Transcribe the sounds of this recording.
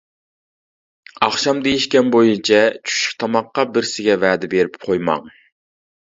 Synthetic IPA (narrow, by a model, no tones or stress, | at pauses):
ɑχʃɑmd̪ejiʃkʲɛnbojunt͡ʃʰɛt͡ʃʰu̥ʃɪ̥χt̪ʰɑmɑqːɑbɪɾsɪɡʲɛvæːd̪ɪbeɾɪpqʰojmɑ̰ŋ